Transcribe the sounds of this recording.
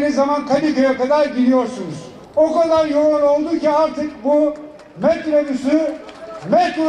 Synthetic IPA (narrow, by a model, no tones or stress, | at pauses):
nizːamankʰad̪ikajakad̪aɾɟilʲijo̞ɾsunuz̥ | okad̪aɾjoːano̞lˠd̪uciaɾt̪ʰɯk̚bu | mɛt̪ɾebysy | mɛt̪u